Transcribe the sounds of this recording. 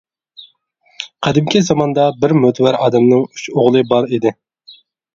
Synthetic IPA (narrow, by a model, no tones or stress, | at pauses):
qʰæd̪ɪmkʲʰizɑmɑnd̪ɑbɪɾmøt̪ʰwæɾɑːd̪ɛmnɪŋy̥t͡ʃoʁlˠɨbɑɾid̪ɪ